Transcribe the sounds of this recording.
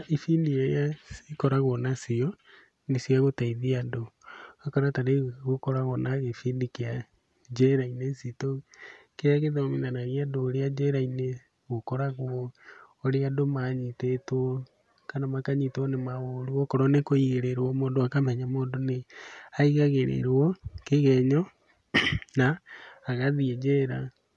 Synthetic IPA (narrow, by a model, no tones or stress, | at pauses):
ifiːndiejasikɔɾaɣonasiɔ | nesiaɣotaiðiadoakɔɾataɾeɣokɔɾaɣonaɣefiːndikea | d͡ʒɛɾainesitokeaɣeðominanaɣiadoːɾead͡ʒɛɾaine | ɣokɔɾaɣo | oɾeadomaɲitetɔ | kanamakaɲitonemaɣoɾuokɔɾɔnekoiɣeɾeɾɔmoːndoakamɛɲamoːndoneaiɣaɣeɾḛɾɔkeɣɛɲɔ | naːɣaðiɛd͡ʒɛɾa